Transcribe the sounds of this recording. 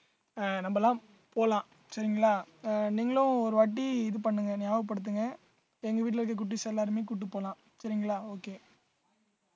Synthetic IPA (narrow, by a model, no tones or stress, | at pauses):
nɐmbɐlãː | poːlãː | sɐɾɪŋɡɐɭaːniːŋɡɐɭʊ̃ɔɾɯʋɐʈːiɪðɯpɐɳːɯŋɡɐnjaːʋɐɐp̬ɐɽɯt̪̬ːɯŋɡɐ | ɛŋɡɐʋiːʈ̬lɐɾɯkːɐk̬ʊʈːisɛlːaːɾɯmeːkʊʈːɯpːoːlãː | sɐɾɪŋɡɐɭaːoːkeː